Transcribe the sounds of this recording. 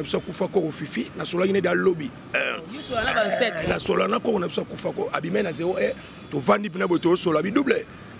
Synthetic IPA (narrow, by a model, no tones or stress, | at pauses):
pisoakufakokofifinasolakinedialobi | ɛoaabasɛnasolanakokonapisoakufakoʔa̰bimeazeoe | tovandip̬inabotoosolabiduble